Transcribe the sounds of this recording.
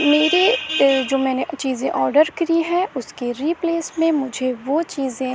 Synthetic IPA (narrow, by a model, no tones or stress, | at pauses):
meːɾed͡ʒoːmɛːnet͡ʃiːzẽʔɔːɾɖəɾkɾiɦɛ̃ʊskeɾiːpleːsmẽmʊd͡ʒʱeʋoːt͡ʃiːzẽ